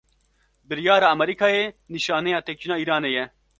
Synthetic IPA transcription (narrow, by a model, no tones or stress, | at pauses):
bɪɾjaːɾaːɐmɐɾikʰaːeːniʃaːnejaːt̪eːk̚t͡ʃinaːiːɾaːneːjɛ